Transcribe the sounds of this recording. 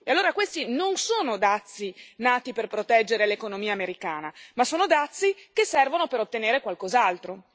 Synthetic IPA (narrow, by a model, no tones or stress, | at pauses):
ealːoːɾakwest̪inonsoːnod̪at̪sːinaːt̪iperpɾot̪ɛd͡ʒːeɾelekonomiːaːmeɾikaːnamasoːnod̪at̪sːikesːɛrvonopeɾot̪ːeneːɾekwalkozalt̪ɾo